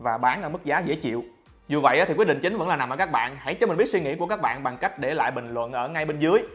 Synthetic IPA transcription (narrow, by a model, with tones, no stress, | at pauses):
vaː˨˩ɓaː˨˦nʔəː˧˩mɨ˦˥k̚zaː˨˦zḛ˧˥t͡ɕḭ˧˨w | zu˨˩və̰˧˨jʔaː˨˦t̪i˨kw̚ɗḭ˧˨ŋt͡ɕi˨˦ŋ̟və̰˧˥nlaː˨˩na˨˩məː˧˩kːk̚ɓa̰ː˧˨nha˧˩jt͡ɕɔ˧m˨˩i˦˥t̚swi˧ŋḭ˧˥ku˧˩əkaː˦˥k̚ɓa̰ː˧˨nɓa˨˩ŋka˦˥jk̟̚ɗe˧˩la̰ː˧˨jɓï˨˩ŋ̟lwə̰˧˨nʔəː˧˩ŋa˧jɓe˧nzɨ˨˦əj